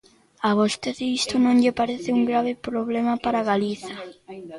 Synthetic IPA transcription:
aβost̪eðɪist̪ʊnõŋʎɪpaɾeθɪuŋɡɾaβɪpɾoβlemapaɾaɣaliθɐ

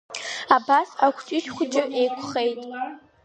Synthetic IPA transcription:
abasakʷʰt͡ʃʼɪʃχʷʊd͡ʒʼɪʔejkʷʰχejtʼ

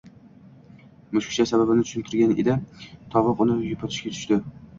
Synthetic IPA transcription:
mʊʃkʰʲɪ̥ʃasababɪnɪt̪ʰʊ̥ʃɪnt̪ʰɪɾɡʲanḛd̪ɪt̪ʰɒvɨqʊnɪjʊpʰɒt̪ʰɪʃkʲat̪ʰʊ̥ʃt̪ɪ

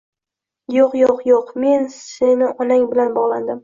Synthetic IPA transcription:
joqjoqjoqme̞nsenɪʔɒnaŋbɪlanbɒʁlˠand̪ɪm

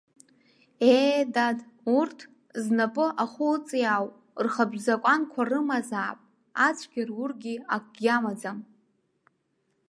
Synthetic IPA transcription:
edadurtʰ | znapʼɨʔaχʊlt͡sʼijawʼ | rχabʒʷᶣzakʷʼankʷʰarɨmazaːpʼ | at͡sʷʰɡʲarwʊrɡʲiakʷʼɡʲamad͡zam

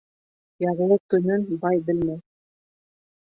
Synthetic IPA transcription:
jɑʁ̆lˠɤt̪ɵ̆nɘnbɑjbɘ̆lmæj

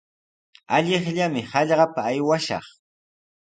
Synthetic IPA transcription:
aʎɪχʎamɪhɑʎɢɑpaːjwaʃɑ̰χ

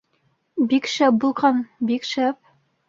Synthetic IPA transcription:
bikʃæp̚bulˠʁɑnbikʃæp̚

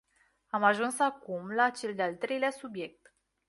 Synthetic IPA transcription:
amaʒunsakumlat͡ʃe̞ld̪ealt̪ɾe̞jleasubje̞k̚t̪

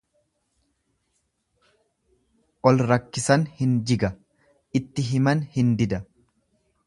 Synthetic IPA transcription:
ʔɔlɾɐkːɪsɐnhɪnd͡ʒɪɡɐ | ʔɪt̪ːɪɦɪmɐnhɪnd̪ɪd̪ɐ

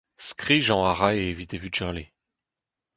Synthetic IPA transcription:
skχiʒɑ̃aʁajeːvit̪evyʒɛʁle

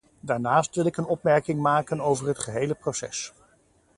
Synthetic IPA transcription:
daːɹnaːstʋɪlɪkənɔpmɛɹkɪŋmaːkənowvəɹɦətχəɦejləprosɛ̰s

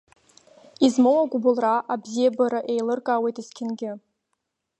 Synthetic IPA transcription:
izmɨwaɡʷʊbʊlraʔabzijabaɾaʔe̞jlɨrkʼawejtʼiskʲʰɪnɡʲɪ

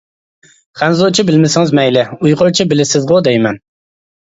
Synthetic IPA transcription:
χænzot͡ʃʰibɪlmɪsɪŋɪzmɛjlɪujqʰoɾt͡ʃʰibɪlɪsɪzʁod̪ɛjmɛn

